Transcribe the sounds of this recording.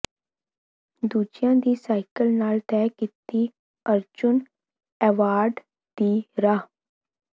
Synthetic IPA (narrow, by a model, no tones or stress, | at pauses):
d̪uːd͡ʒɪjãːd̪iːsaːɪkəlnaːlt̪ɛːkit̪iː | əɾd͡ʒʊn | ɛːʋaːɾɖ | d̪iːɾaː